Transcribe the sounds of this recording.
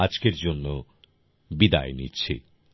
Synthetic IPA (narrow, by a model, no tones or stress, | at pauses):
ad͡ʑkeɾd͡ʑonːo | bid̪a̰enitːɕʰḛ